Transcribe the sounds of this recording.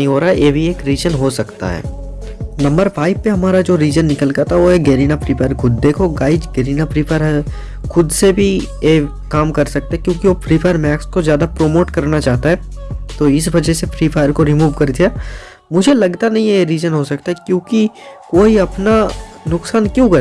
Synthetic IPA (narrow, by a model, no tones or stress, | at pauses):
ɦĩɦoːɾaɦjʔeːbʱieːkɾiːzənɦosɐkt̪a̰ɦɛ̰ː | nɐ̃mbəɾfʰaːɪb̚peɦɐmaːɾad͡ʒoːɾiːzənːɪkəlɡat̪aɦɛʋoeɡeːɾiːnapɾiːpʰaːəɾkʰʊd̪̚ːeːkʰoɡaːɪd͡ʒɡɛːɾiːnapɾiːpʰaːjəɾɦɛ | xʊd̪sebʱi | je | kaːmkɐɾsɐk̚t̪eɦɛkjõːkiʋoːpʰɾiːpʰaːjəɾmɛːkskozjaːd̪apɾoːmoːʈkɐɾnat͡ʃaːɦt̪aɦɛːt̪oɪsbɐd͡ʒɛsepɾiːpʰaːjəɾkoɾɪmuːʋkɐɾd̪ijaː | mʊd͡ʒʱelɐɡt̪anɐɦĩjeɾiːzənɦosɐkt̪aɦɛkjõːkikoːiɐpnanʊksaːnkjõːkɐɾ